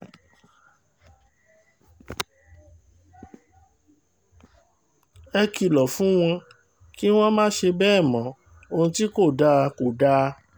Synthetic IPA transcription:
ɛ˧ki˧˨lɔ˨fũ˦w̃ɔ̃˧ | ki˦w̃ɔ̃˦mãː˦ʃe˧bɛ˦˨mɔ̃˨˦ | o˧ũ˧ti˦ko˦˨da˦˧ko˨da˦˧

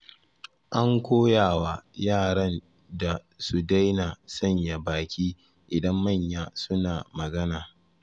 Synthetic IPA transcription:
ʔa˦ŋkʷoː˦jaː˨waː˦jaː˦˨ɽɐ˦n | da˨ | su˨da˦jnaː˨sɐ˦˨ɲja˨baː˨kʲiː˦ | ʔɪ˨dɐ˦mːɐ˦˨ɲjaː˦sʊ˦naː˨mɐ˨ɡɐ˦naː˨

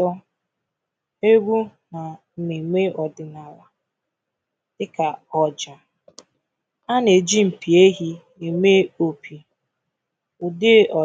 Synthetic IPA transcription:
ɔ˦ | e˦ɡʷu˦na˨n̩˦ne˨me˦ɔ˨dɪ˨na˨la˨ | ɪ˦ka˨ɔ˨d͡ʒa˨ | a˦ne˨d͡ʒi˦m̩˨pi˨e˦ɦi˦ne˨me˦o˨pʰi˨ | ʊ˨dɪ˦ɔ˨

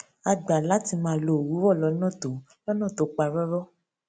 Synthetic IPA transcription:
a˧ɡ͡ba˨la˨˦ti˧mãː˧˦˧lo˧˨wu˨˦wɔ˦˨lɔ˨˧˦nã˦˨to˨˦ | lɔ˦nã˦˨to˨˦k͡pa˧ɾɔ˦ɾɔ˦

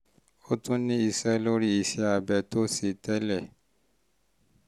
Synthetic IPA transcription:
o˦tũ˦nĩ˦i˨sɛ˦lo˦ɾi˦i˨sɛ˦a˨bɛ˨to˦se˨tɛ˦lɛ˦˨

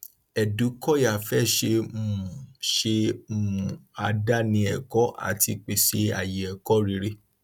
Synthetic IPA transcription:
ɛ˨du˨˦kɔ˦ja˨fɛ˦˨ʃe˧mũ˦˨ʃe˧mu˨u˨a˧da˦nĩ˧˦ɛ˨kɔ˨˦ʔa̰˨ti˧k͡pe˨ʃe˧a̰˨je˨ɛ˨kɔ˦ɾi˧˦ɾe˦

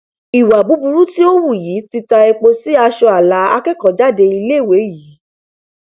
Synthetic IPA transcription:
i˨wa˨bu˨˦bũ˧ɾũ˦ti˦o˦wu˦˨ji˨˦ti˧ta˧e˧k͡po˧si˨˦a˧ʃɔ˧a˨la˨˦a̰˧kɛ˦kɔ˨˦d͡ʒa˦de˧i˧le˦˨we˨˦ji˨˦

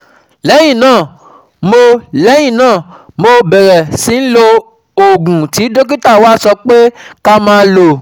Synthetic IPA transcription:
lɛ˨˦j̃ĩ˦˨nãː˦˨ | mo˧lɛ˨˦j̃ĩ˦˨nãː˦˨mo˧bɛ˨ɾɛ˨sĩ˨˦n̩˦lo˧ | o˨ɡũ˨ti˨˦do˦k̬i˦ta˦˨waː˦˨sɔ˧k͡pe˦ka˦mãː˦lo˨

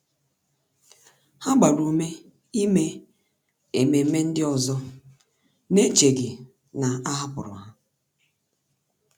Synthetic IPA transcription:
ha˦ɡ͡ba˨ɾu˨me˦ | i˦me˦ | e˨me˨˦me˦n̩˦dɪ˦ɔ˨zɔ˦ | ne˦t͡ʃe˨ɡɪ˨ | na˨a˦ɦa˦pʊ̰˨ɾʊ̰˨a˦

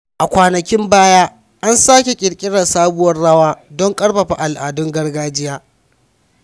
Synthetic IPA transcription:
ʔa˨kʷaː˨nɐ˨kʲɪ˦mbaː˦jaː˦ | ʔa˦nsaː˦kʲe˨kʲʼɪ˨ɽkʲʼɪ˦ɽɐ˨saː˦bʊ˦wɐ˦rɽɐ˦waː˦dɔ˦ŋkʼɐ˦ɽɸɐ˨ɸa˨ʔa˨lʔaː˨dʊ˦ŋɡɐ˦rɡaː˦d͡ʒɪ˦jaː˦

